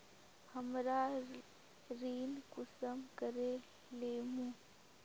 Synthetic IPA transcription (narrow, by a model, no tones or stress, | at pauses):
həmɾaː | ɾiːnkʊsəmkəɾe | leːmũː